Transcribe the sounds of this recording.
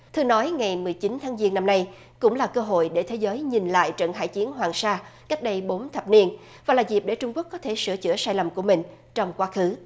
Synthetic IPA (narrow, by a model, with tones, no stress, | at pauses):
t̪ʰɨ˧nɔ˨˦jŋa˨˩jmɨ˨˩əjt͡ɕi˨˦nt̪ʰaː˨˦ŋzi˧ənːa˧mna˧j | kʊ̰˧˥ŋ͡mlaː˨˩kəː˧ɦo̰˧˨jɗe˧˩t̪ʰe˨˦zəː˨˦jɲi˨˩nla̰ː˧˨jt͡ɕə̰˧˨nɦa̰ː˧˩jt͡ɕi˨˦ənɦwaː˨˩ŋsaː˧ka˦˥k̚ɗə˧jɓo˨˦nt̪ʰə˨˩p̚ni˧ən | vaː˨˩laː˨˩zi˨˩p̚ɗe˧˩t͡ɕʊ˧ŋ͡mku˦˥əkːɔ˨˦t̪ʰe˧˩sɨ̰˧˩ət͡ɕɨ̰˧˩əsaː˧jlə˨˩mku˧˩əmï˨˩ŋ̟ | t͡ɕɔ˧wŋ͡mkwaː˨˦xɨ˨˦